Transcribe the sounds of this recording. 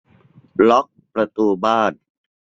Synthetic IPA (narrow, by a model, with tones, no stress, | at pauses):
lɔ˦˥k̚pɾa˧t̪uː˧baː˥˩n